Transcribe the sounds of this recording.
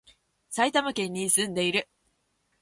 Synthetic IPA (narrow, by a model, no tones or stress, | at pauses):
sait̪amakẽ̞ɲ̟ːisɨ̃nd̪e̞iɾɯ̟